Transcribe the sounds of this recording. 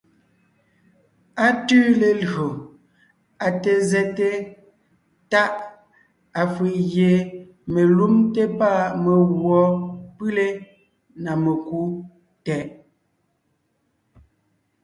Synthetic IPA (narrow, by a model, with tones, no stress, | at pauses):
a˨tʉː˦le˨lo˨ | a˨te˨zɛ˦te˦ | ta˦ʔ | a˨fi˨ʔɣje˨ | me˨lu˦mte˦pa˦˨me˨ɣwɔ˦pʉ˦le˦ | na˨me˨ku˦ | tɛ˨ʔ